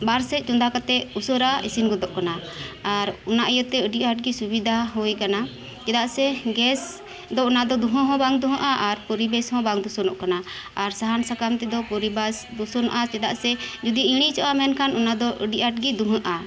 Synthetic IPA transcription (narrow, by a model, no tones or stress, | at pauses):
baɾsɛc̪̚t͡ʃɔnd̪ʱakat̪ɛusəɾaʔḭsinɡɔd̪ɔʔkanaaɾɔnaʔəjɔt̪ːɛəɖiʔaʈ̚ɡisubid̪ʱaɦɔjkana | t͡ʃɛd̪aʔsɛɡɛs | d̪ɔɔnad̪ɔd̪uɦɔ̃ɦɔ̃baŋd̪uɦəʔaʔaɾpɔɾibɛshɔ̃baŋd̪usɔnɔʔkanaː | ɾsaɦansakamt̪ɛd̪ɔpɔɾibasd̪usɔnɔ̰ʔat͡ʃɛd̪aʔsɛd͡ʒud̪iʔiɽ̃it͡ʃɔʔamɛnkʰanɔnad̪ɔʔəɖiʔaʈ̚ɡid̪uɦəʔa